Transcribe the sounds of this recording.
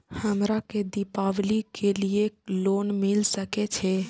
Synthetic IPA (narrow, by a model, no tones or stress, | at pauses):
həmɾaked̪ɪpaːʋlikelieloːnmɪlsəket͡ʃʰɛ